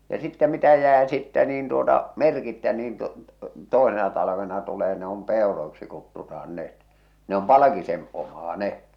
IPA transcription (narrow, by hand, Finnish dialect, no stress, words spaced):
jɑ sitːæ mitæ jæː sitːæ niːn tuotɑ merkitːæ niːn tu toˑesenɑ tɑlɑʋenɑ tuleː ne om peˑoroiksi kutːutɑhɑn net ne om pɑlɑ̆kisen omːɑː ne